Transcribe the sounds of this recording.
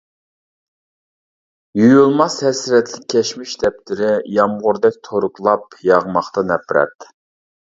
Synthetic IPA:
jujulˠmɑshɛsɾɛt̪ʰlɪkʲʰːɛʃmɪʃd̪ɛp̚t̪ʰɪɾɪjɑmʁʊɾd̪ɛk̚ʲt̪ʰoɾʊklˠɑpjɑʁmɑχt̪ɑnɛpɾɛ̰t̪

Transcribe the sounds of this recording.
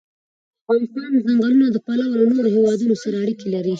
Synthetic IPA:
d̪aəafɣɑnɪst̪ɑnzaŋɡalunad̪əpalawlawnoɾohewɑd̪unosaɾaːɽikelaɾi

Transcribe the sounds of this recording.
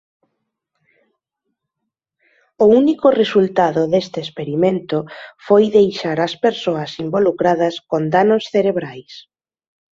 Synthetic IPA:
ʊunikʊresult̪aðʊðest̪espeɾimẽnt̪ʊfojðejʃaɾɐspeɾsoɐsimbolukɾaðɐskond̪anosθeɾeβ̞ɾajs

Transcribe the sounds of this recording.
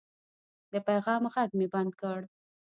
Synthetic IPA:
d̪əpajɣɑmɣaɡ̚meband̪kəɽ

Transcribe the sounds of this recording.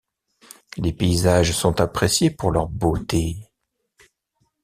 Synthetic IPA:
lepeizaʒsɔ̃t̪apχesjepuʁlœʁbot̪e

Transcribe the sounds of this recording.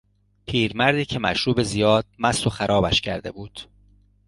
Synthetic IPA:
pʰiːɾmæɾd̪iːcʰemæ̰ʃɾuːbezijɒːd̪̥̚mæsoxæɾʔɒːbæʃcʰæɾd̪e̞buːd̪̥

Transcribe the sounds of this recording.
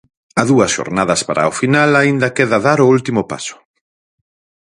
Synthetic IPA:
ɐðuɐsʃo̰ɾnaðɐspaɾʔa̰ofinalaind̪ɐkeðɐðaɾʊult̪imʊpa̰sʊ̥

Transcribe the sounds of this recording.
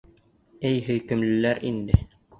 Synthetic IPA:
æjɦɘ̆jkɘ̆mlɘ̆læɾind̪ɘ

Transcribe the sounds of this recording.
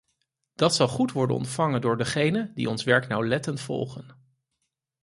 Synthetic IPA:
d̥ɑtsɑlˠχutʋɔɹdə̰nɔ̰ntfɑŋəndʊːɹdəχejnəndḭɔnsʋɛɹknɑwlɛtəntfɔ̰lˠχən

